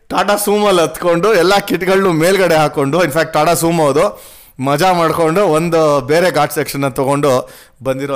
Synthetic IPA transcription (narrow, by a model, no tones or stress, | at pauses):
ʈaːʈasuːmɐlːɐt̪ko̞ɳɖuɛlːakiʈɡɐɭnumeːlɡɐɽeɦaːko̞ɳɖuinpʰaːk̚ʈ̚ʈaːʈasuːmɐʋɐd̪u | mɐd͡ʒamaːɽko̞ɳɖuond̪ubeːɾe̞ɡaːʈsekʂɐnːɐt̪ɔɡo̞ɳɖu | bɐnd̪iɾo